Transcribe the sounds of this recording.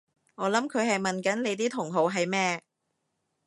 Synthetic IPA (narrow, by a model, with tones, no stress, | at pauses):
ŋɔː˨˧lɐ˨˥mkʰɵ˨˧ɥɦɐ˨jmɐ˨nkɐ˨˥nle˨˧jt̪iː˥t̪ʰʊ˨˩ŋɦo˨˧wɦɐ˨jmɛː˥